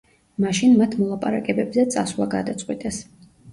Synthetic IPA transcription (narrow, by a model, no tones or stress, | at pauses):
maʃinmat̪ʰmɔlˠapʼaɾakʼɛbɛbzɛt̪sʼasvlˠaɡad̪at̪sʼqʼwit̪ʼɛs